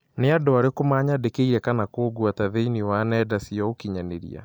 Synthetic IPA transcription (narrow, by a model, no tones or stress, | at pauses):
neadoaɾekomaɲadekeiɾɛkanakoːɡwataðeiniwanɛdasiɔokiɲaneɾḭa̰